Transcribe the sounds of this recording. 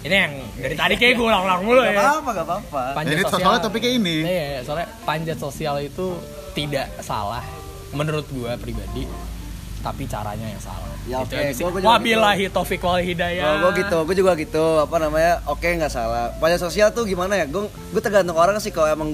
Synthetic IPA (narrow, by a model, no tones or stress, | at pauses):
inijaŋ | daɾit̪adikaaɡualaŋlaŋmulʊajaapaɡapapapaɲd͡ʒasaalat̪ap̬ikainijajasoɾɛ | paɲd͡ʒat̪sosialit̪u | t̪idaʔsa̰la̰h | mənəɾʊt̪̚ɡuapɾibadi | t̪apit͡ʃa̰ɾa̰ɲaja̰ŋsa̰la̰hjaotk̪asɡaɡuad͡ʒwabilaɦit̪ofɪkəwalhidajaɡuaɡit̪uɡuad͡ʒuɡaɡit̪uapanamaɲaʔokejaŋɡaʔsalahpaɲd͡ʒat̪sosialt̪ʊɡimanajaɡua | ɡuat̪ərɡant̪ʊŋoɾaŋasɪkaloamaŋ